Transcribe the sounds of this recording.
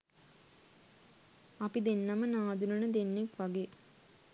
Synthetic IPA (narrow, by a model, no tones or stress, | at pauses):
apid̪enːɐmənaːd̪unənəd̪enːekʋaɡe